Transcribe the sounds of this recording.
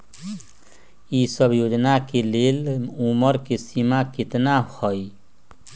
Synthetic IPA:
isəbʱjod͡ʒnakeleluməɾkesimakɪt̪nahɔj

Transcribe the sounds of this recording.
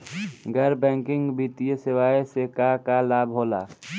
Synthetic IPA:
ɡəɾbɛ̃ːŋkɪ̃ŋɡbiːt̪ijesɪʋaːjesekakalaːbʱɦoːla̰ː

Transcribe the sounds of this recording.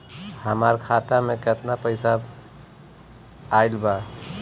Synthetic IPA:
həmaɾkʰat̪ameket̪napəɪsa | ajlba

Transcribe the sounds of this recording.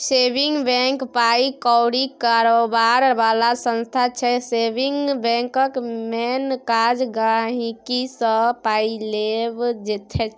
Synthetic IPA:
sebiŋɡbɛ̃ŋkpaikɔwɽikaɾobaɾbalasə̃nst̪ʰat͡ʃʰɛsebiŋɡbɛ̃ŋkəkmenkad͡ʒɡaɦikisəpailebd͡ʒet̪ʰɛ

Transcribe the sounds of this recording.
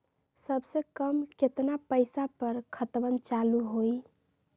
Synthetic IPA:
səbsekəmket̪napəɪsapəɾkʰət̪bənt͡ʃaluɦoj

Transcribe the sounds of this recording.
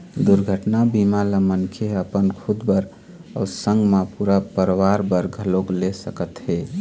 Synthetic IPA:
d̪uɾɡʱəʈnabimaləmənkʰeəpənkʰud̪bəɾ | əsə̃ŋɡmãpuɾapəɾwaɾbəɾɡʱəloklesəkət̪ɦe

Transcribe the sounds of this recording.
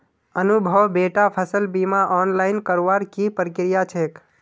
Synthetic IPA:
ənubʱəʋbeʈapʰəsəlbimaʔɔnlaɪnkəɾʋaɾkipɾikɾijat͡ʃʰek

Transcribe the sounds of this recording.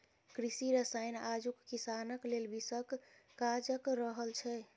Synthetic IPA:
kɾisiɾəsajnad͡ʒukːisanəklelbisəkː | ad͡ʒəkɾəɦəlt͡ʃʰɛ

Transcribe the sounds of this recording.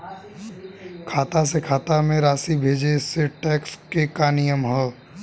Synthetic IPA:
kʰaːt̪as̬ekʰaːt̪amẽɾaːsibʱeːd͡ʒeseʈɛːkskekaːnijəmɦɛː

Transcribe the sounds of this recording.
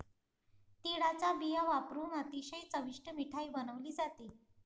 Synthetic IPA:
t̪iɽat͡sabijəʋapɾuːnət̪iɕəjt͡səʋiʂʈəmiʈʰaibənəʋliːd͡zat̪e

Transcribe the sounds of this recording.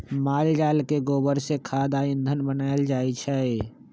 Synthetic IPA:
maːld͡ʒaːlkeɡoːbəɾsekʰaːd̪aːɪ̃nd̪ʱənbənaːeld͡ʒaːit͡ʃʰɛ

